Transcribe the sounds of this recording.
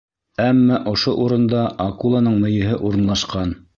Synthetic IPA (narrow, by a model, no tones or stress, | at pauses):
æmːɑʔŏʃoʔuɾɤ̆nd̪ɑʔɑkulˠɑnɤɴmɵ̆jɘ̆ɦɘʔuɾɤ̆nlˠɑʃqɑn